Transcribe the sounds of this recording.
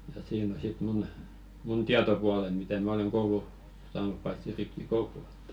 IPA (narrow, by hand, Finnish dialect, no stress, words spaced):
jɑ siːn o sit mun mun tiɑtopuɑlen mitæ mæ oleŋ koulu sɑːnup pɑitsi ripːikoulu e̥tːæ̥